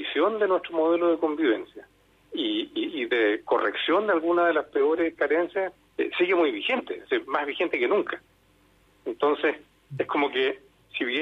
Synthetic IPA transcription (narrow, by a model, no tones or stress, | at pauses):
isjo̞nd̪enwehtɾomoðe̞loðeko̞mbiβensja | iːðekorḛksjo̞nd̪ealɣunaðelaspeo̞ɾeskaɾe̞nsjas | ḛsiɣemujβixe̞nt̪esemazβixent̪ekenuŋkʰḁ | ent̪o̞nses | ehkomoke | siβ